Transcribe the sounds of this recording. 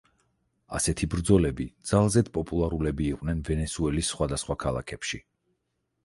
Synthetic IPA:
a̰sɛt̪ʰibɾd̪zɔlɛbid̪z̥alˠzɛd̪pʼɔpʼulˠaɾulɛbiːqʼwnɛnvɛnɛsuɛlisːχwad̪asχwakʰalˠa̰kʰɛpʃi

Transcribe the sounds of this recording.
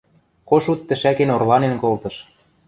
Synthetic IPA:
koʃut̪ːə̆ʃækenorlɑnenkolt̪ɤ̆ʃ

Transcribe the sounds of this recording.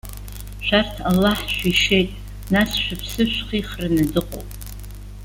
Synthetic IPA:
ʃʷᶣartʰalːaħʃʷᶣiʂe̞jtʼ | nasʃᶣapʰsɨʃʷᶣχiχranadɨqʼo̰wpʼ

